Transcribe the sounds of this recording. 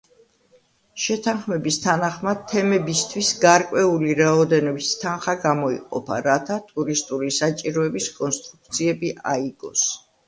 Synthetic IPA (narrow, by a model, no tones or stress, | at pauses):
ʃɛt̪ʰanχmɛbist̪ʰanaχmad̪̚t̪ʰːɛmɛbist̪ʰwisɡaɾkʼwɛuliɾaɔd̪ɛnɔbist̪ʰanχaɡamɔḭqʼɔ̰pʰa̰ɾat̪ʰat̪ʼuɾist̪ʼuɾisat͡ʃʼiɾɔɛbiskʼɔnst̪ʼɾuk̚t̪sʰiɛbiʔaiɡ̥ɔ̰s